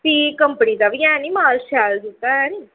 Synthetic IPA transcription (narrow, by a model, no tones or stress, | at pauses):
piːkəmpəniːd̪aʋiɛ̃ːniːmaːlʃɛːld͡ʒɪt̪ːaɛ̃ːniː